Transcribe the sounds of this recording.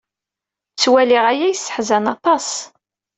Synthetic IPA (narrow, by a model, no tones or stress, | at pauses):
t͡sːwæliʁæjæjəsːə̥ħzænɑt̪ˤɑs